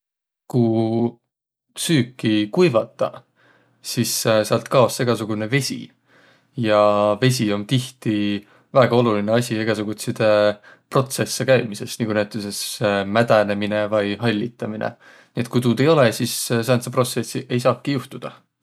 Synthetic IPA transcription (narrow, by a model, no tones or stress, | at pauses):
ku | syːkˑːikujvɑt̪ːˑɑ | sisseɑlt̪kɑo̞sːeɡ̥ɑsuɡ̥une̞ve̞sʲḭ | jɑve̞s̬ʲio̞nt̪iht̪i | væːɡ̥ɑo̞lulineɑsʲieɡ̥ɑsuɡ̥ut̪sit̪e | pro̞t̪se̞sːekæjmise̞sniɡunæt̪ːˑese̞smæd̪̥æne̞minevɑjɦɑlʲːit̪ːˑɑminʔḛ | niet̪̚ˑkujt̪uːd̪̥e̞jo̞lesisseɑnt̪sepro̞t̪se̞siʔe̞jsɑːkːijuht̪ud̪̥ɑ